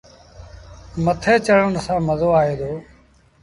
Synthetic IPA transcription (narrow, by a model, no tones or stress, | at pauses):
mət̪ʰeːt͡ʃəɽ̤ənsãːməzoːaːɦeːd̪oː